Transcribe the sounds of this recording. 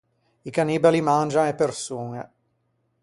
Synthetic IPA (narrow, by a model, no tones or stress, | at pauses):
ikaniːbalimand͡ʒaŋepːersuːŋḛ